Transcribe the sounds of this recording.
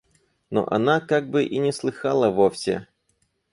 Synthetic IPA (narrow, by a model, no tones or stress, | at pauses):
no̰ʔɐ̰nakaɡ̚bɨʔinʲɪslˠɨxalˠəvofsʲɪ̰